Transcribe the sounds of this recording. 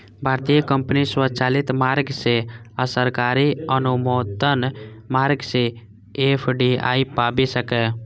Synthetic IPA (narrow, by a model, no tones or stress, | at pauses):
bʱaɾt̪ijəkəmpniswət͡ʃalit̪maɾɡseəsəɾkaɾiənumod̪ənmaɾɡse | epʰɖia̰ipabisəkɛ